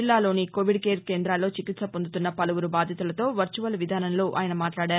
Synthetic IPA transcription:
ilːaːlo̞ːniko̞ːʋiɖkeːɾkeːnd̪ɾaːlːo̞ːt͡ʃikit̪sɐpond̪ut̪unːɐpɐlɐʋuɾubaːd̪ʱjɐt̪ulɐt̪o̞ːʋɐɾt͡ʃuʋɐlʋid̪ʱaːnɐnlo̞ːʔa̰ːjɐnɐmaːʈlaːɽaːɾu

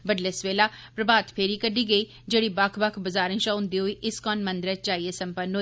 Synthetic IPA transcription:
bəɖleːsʋeːlaːpɾəbaːt̪pʰeːɾiːkəɖiːɡəiː | d͡ʒeːɽiːbɐkʰbəkʰbəzaːɾə̃nʃãːʊ̃nd̪iːɦoːiːʔɪskɔːnmə̃nd̪ɾɛt͡ʃaːieːsə̃mpənɦoː

